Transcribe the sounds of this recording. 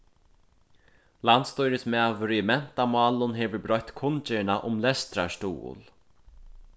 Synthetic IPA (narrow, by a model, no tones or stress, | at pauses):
lant̪st̪ɔjɾɪsmɛavʏɾɪɪmɛn̥t̪amaːlʊnɦeːʋʏɾbɾɔjt̪kʰʊnt͡ʃɛɳaʔʊmlɛst̪ɾaʂt̪ṵːʊ̰l